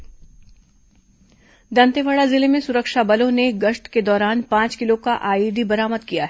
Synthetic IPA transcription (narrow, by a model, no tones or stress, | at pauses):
d̪ɐ̃nt̪eʋaːɭazɪlemẽsʊɾəkʃabɐlõneɡɐʃʈked̪ɔːɾaːnpãːt͡ʃkɪlokaʔaːiːd̪ʱibɐɾaːməd̪kijaɦɛ